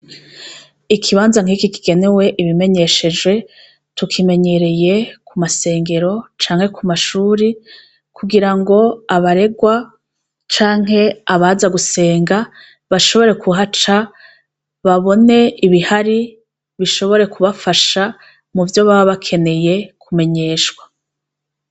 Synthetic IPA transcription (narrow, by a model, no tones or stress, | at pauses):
ikʰiβaːnzaŋ̥iːkikiɡe̞ne̞we̞ʔiβime̞ɲe̞ʃe̞d͡ʒwe̞ | tukʰime̞ɲe̞ɾe̞je̞kumase̞ːŋɡe̞ɾo̞t͡ʃaːŋhe̞kʰumaʃuːɾi | kuɡiɾaŋɡo̞aβaɾe̞ɡwa | t͡ʃaːŋɦe̞aβazaɡuse̞ːŋɡa | βaʃo̞βo̞ɾe̞kʰuɦat͡ʃa | βaβo̞ne̞iβihaɾi | βiʃo̞βo̞ɾe̞kʰuβafaʃa | muvjo̞βaβaβakʰe̞ne̞je̞kʰume̞ɲe̞ːʃkwa